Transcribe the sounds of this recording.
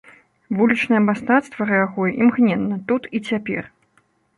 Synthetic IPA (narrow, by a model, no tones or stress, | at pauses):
vulʲit͡ʂnɐjɛmast̪at̪st̪vɐɾɨjaɣɔjɛʔimɣnʲɛnːɐt̪ut̪it͡sʲapʲɛ̰r